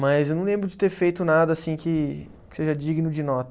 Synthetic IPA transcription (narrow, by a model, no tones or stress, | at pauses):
mɐzewnɐ̃lẽbɾʊd͡ʒɪt̪eɾfejt̪ʊnad̪ɐːsĩkɪ | kɪ̥seʒɐd͡ʒiɡɪnʊd͡ʒɪnɔt̪ɐ